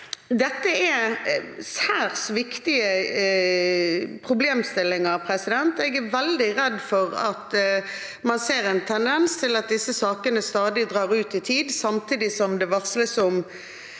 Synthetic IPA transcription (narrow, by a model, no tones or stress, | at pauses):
d̪ɛt̪ːəɛ | sæːʁsʋɪkt̪ɪə | pʰʁʊbleːmst̪ɪlːɪŋəɾpʰɾɛsɪd̪ɛnt̪ɛɡæʋɛld̪ɪʁɛd̪fɔʁɑ̰t̪ | mɑnseːɾɛnt̪ʰɛnd̪ɛnst̪ʰɪlɑt̪̚d̪ɪsəsɑːkənəst̪ɑːd̪ɪd̪ʁɑːʁʉːt̪ɪt̪ʰiːd̪sɑmt̪ʰiːd̪ɪsɔmd̪ɛʋɑʁsləsɔm